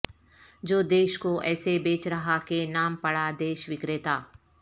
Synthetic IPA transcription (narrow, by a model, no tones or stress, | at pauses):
d͡ʒoːd̪eːʃkoʔɛːsebeːt͡ʃɾɐɦakenaːmpɐɽad̪eːʃʋɪkɾet̪aː